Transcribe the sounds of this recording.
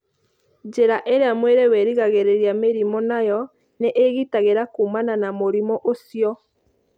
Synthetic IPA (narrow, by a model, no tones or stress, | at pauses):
d͡ʒeɾaʔeɾeamweɾewɛɾiɣaɣeɾeɾiameɾimɔnajɔ | neʔeɣitaɣeɾakumananamoɾimɔʔosjɔ